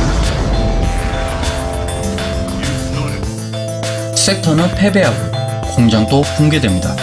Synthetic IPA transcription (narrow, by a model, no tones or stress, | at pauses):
s͈etʰʌnɯnpʰe̞be̞ɦaɡo | koŋd͡ʑaŋt͈okoŋɡedwe̞mɲida